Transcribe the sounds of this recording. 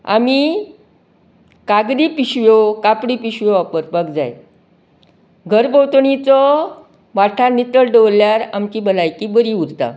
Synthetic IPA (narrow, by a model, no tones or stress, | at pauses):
a̰mi | kaɡd̪ipiɕʋjokapɽipiɕʋjoapəɾpəkd͡za̰j | ɡʱəɾbəwt̪ɳit͡sɔ | ʋaʈʰanit̪əɭɖeʋlːjaɾamt͡ɕiːbʱəlajkibəɾiuɾt̪a̰